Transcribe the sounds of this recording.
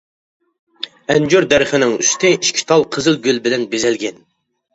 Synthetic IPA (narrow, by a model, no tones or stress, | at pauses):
ɛnd͡ʒøɾd̪æɾχɪnɪŋyst̪ʰɪiʃkʲʰi̥t̪ʰɑlˠqʰəzɨlˠɡʲylbɪlɛnbezɛlɡʲɛn